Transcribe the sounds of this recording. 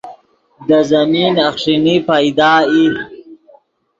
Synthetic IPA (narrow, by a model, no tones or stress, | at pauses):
d̪əzaminaxʂinipajd̪ɑːi